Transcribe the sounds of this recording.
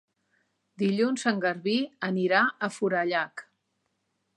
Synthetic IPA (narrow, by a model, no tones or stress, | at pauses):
d̪iʎunzəŋɡəɾβiəniɾaəfuɾəʎak